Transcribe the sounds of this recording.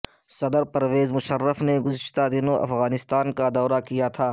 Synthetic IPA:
sɐd̪əɾpɐɾweːzmʊʃərːəfneɡʊzɪʃt̪ad̪ɪnõʔɐ̰fɣaːnɪst̪aːnkad̪ɔːɾakijat̪ʰaː

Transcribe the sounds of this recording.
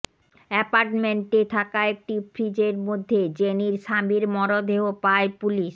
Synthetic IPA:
ɛpaɾʈmeɳʈet̪ʰakaek̚ʈipʰɾid͡ʑeɾmod̪ʱːed͡ʑeniɾʃabiɾmɔɾod̪ʱeɦopaepuliʃ

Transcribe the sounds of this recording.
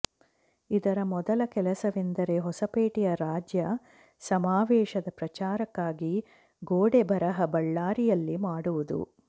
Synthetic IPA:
id̪ɐɾɐmɔd̪ɐlɐkɛlɐsɐʋind̪ɐɾe̞ɦɔsɐpeːʈijɐɾaːd͡ʒjɐ | sɐmaːʋɛːʃɐd̪ɐpɾɐt͡ʃaːɾɐkːaːɡi | ɡoːɽebʱɐɾɐɦɐbɐɭːaːɾijɐlːimaːɽuʋud̪ṵ

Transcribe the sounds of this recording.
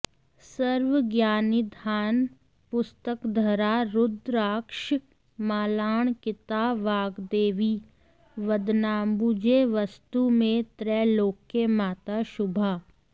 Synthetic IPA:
səɾʋəɡjaːnɪd̪ʱaːn | pʊst̪əkd̪ʱɐɾaɾʊd̪ɾaːkʃ | maːlaːɳ̃kɪt̪aːʋaːɡd̪eːʋiː | ʋəd̪naːmbud͡ʒeʋɐst̪umẽt̪ɾɛːloːkːemaːt̪aʃʊbʱaː

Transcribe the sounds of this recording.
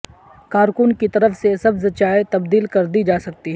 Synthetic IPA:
kaːɾkʊnkit̪ɐɾəfsesɐbset͡ʃaːet̪ɐbd̪iːlkɐɾd̪id͡ʒaːsɐk̚t̪iɦɛ

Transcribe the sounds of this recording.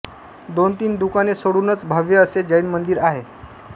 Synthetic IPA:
d̪ont̪iːnd̪ukanesoɽuːnət͡sbʱaʋjəəsed͡ʑəinmənd̪iːɾaɦe

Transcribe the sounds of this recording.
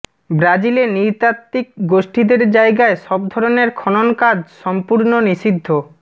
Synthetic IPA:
bɾad͡ʑileniɾt̪at̪ːikɡoʃʈid̪eɾd͡ʑaeɡaeʃɔbd̪ʱɔɾoneɾkʰɔnonkad͡ʑʃɔmpuɾnoniʃid̪ʱːo

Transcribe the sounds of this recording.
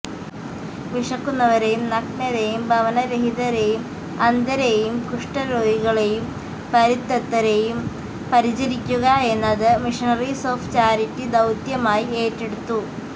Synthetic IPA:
ʋiʂɐkːunːɐʋɐɾe̞jumnɐknɐɾejumbʱɐʋɐnɐɾeɦid̪ɐɾe̞jum | ɐnd̪ɐɾejumkuʂʈɐɾoːɦiɣɐɭe̞jum | pɐɾit̪ːɐt̪ːɐɾejum | pɐɾit͡ɕɐɾikʲːuɣɐe̞nːɐðɨmiʂinɐriso̞ːft͡ɕaːɾitʲːid̪ɐwt̪jɐmaːjieːtːeɽut̪ːu

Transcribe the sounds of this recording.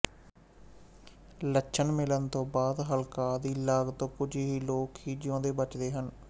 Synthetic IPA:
ləːʃʰənmɪlənt̪õːbaːd̪ɦəlkaːd̪iːlaːɡt̪õːkʊd͡ʒiɦiːloːkɦiːd͡ʒɪjõːd̪eːbət͡ʃd̪eːɦən

